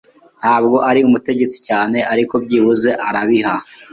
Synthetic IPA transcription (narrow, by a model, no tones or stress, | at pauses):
n̥haːb̚ɡo̞ʔaɾiumute̞ɟe̞t͡si̥caːne̞aɾiko̞b̚ɟiːβuze̞ʔaɾaβiɦa